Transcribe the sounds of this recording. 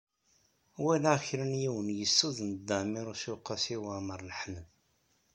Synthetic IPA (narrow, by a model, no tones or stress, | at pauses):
wilaʁçɾənjiwənjəsːuðˤnd̪ːæmiɾʊsuqːɑsiwaməɾˤlħməð